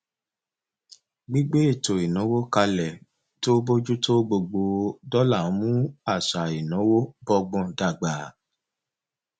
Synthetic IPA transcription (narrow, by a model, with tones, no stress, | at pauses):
ɡ͡bi˦ɡ͡be˦i˦˨to˨i˨nɔ̃˨˦wo˦ka˧lɛ˨ | to˦bo˦d͡ʒu˦to˦ɡ͡bo˧ɡ͡bo˧˨dɔ˦la˦˨˦mũ˦a˦˨ʃa˨i˨nɔ̃˨˦wo˦bɔ˧ɡ͡bɔ̃˧˨da˨ɡ͡ba˨